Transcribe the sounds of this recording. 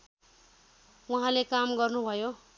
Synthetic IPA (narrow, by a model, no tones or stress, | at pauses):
wuɦãlekamɡʌrnubʱʌjo